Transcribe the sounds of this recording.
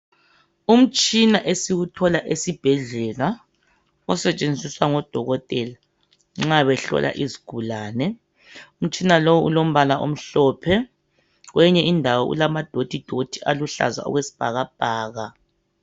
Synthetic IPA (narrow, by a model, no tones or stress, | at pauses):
um̩t͡ʃʼinaʔesiɣutʰɔlaʔesib̥ʱɛɮɛla | ɔsɛt͡ʃʼend͡zʱiswaŋɔd̥ʱɔɣɔtʼɛla | ŋ͡ǁaβɛɬɔ̰lʔa̰ʔiziɡ̥ʱulaːnɛ | um̩t͡ʃʼinalowuṵlom̩βalaʔo̰m̩ɬɔːpʰɛ | ɣwʔɛɲɛindʱawɔʔṵlamad̥ʱod̥ʱid̥ʱod̥ʱiʔaluɬa̰za̰ɔ̰ɣwesi̥b̥ʱaɣab̥ʱaːɣa